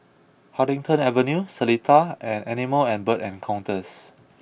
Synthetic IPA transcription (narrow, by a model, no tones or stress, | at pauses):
haɾĩŋtə̃nɛvənjusəlitʰaʔɛ̃nɛniməlɛ̃nbətɛ̃nkʰãw̃ntəs